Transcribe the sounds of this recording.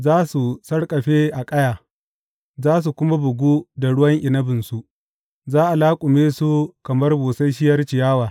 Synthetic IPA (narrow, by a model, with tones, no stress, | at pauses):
zaː˦su˨sɐ˦rkʼɐ˨ɸeː˦ʔa˨kʼɐ˦jaː˨ | zaː˦s̬u˨kʷʊ˦ma˦bʊ˨ɡʷuː˦da˨ɽʊ˦wɐ˦ŋʔɪ˨nɐ˦bɪ˨nsu˦ | zaː˦ʔa˨laː˦kʷʼʊ˨meː˦su˦kɐ˨mɐ˦rbuː˨sa˦jʃ̬ɪ˦jɐ˦rt͡ʃɪ˨jaː˦waː˨